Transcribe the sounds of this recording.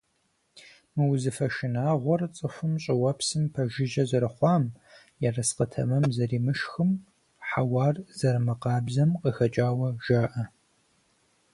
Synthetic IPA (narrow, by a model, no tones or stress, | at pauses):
mɨwzɨfɐʃɪnaːʁʷɔrt͡sʼɨxʷʊmɕʼɪwɐpʰsɨmpʰɐʒɪʒɐzɐɾɨχʷɑːm | jɛrɐsqətʰɐ̰mɐmzɐriːmɨʃxɨm | ħawɑːrzɐrmɨqɑːbzɐmqəxɐt͡ʃʼaːwɐʒ̥aːʔɐ